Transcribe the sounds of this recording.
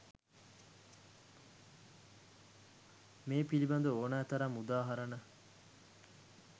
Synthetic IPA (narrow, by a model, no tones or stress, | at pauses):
meːpilibɐnd̪uoːnaːt̪ɐɾamːud̪aːɦɐɾɐnɐ